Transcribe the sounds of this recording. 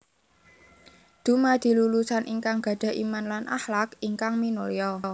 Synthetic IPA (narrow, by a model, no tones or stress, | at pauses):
d̪̥ṳmad̪̥i̤lulusanʔiŋkaŋɡ̥ä̤ɖ̪̥a̤ʔimanlanʔa̰hlakiŋkaŋminoljɔ